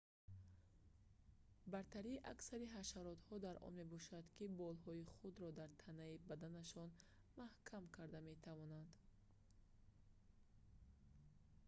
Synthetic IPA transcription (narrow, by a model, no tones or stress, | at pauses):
baɾt̪ʰaɾiːʔaksaɾiɦaʃaɾɔt̪hɔd̪aɾʔɔ̰nme̞bɔʃad̪kibɔlɦɔiχud̪ɾɔd̪aɾt̪ʰanaibad̪anaʃɔn | mahkʰamkʰaɾd̪ame̞t̪ʰavɔnand̪